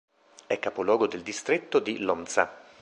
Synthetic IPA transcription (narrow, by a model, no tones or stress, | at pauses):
ɛkːapolwɔːɡod̪eld̪ist̪ɾet̪ːod̪ilɔnt̪sa